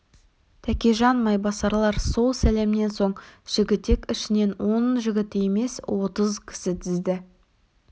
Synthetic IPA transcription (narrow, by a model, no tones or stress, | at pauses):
t̪ʰækʲeʒɑnmɑjbɑsɑɾlˠɑɾso̞lˠsæle̞mɪne̞nso̞ɴʒ̥ɪɡʲɪt̪ːe̞kʲɪʃɪne̞nwo̞nʒɪɡʲɪt̪ɪe̞me̞swo̞t̪əzkʲʰɪ̥sɪt̪ʰɪzd̪ɪ